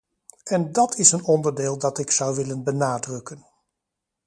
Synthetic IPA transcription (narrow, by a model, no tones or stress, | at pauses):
ɛndɑtʰɪsənɔndəɹdeːlˠdɑtɪksʌwʋɪlənbənaːdrɵkən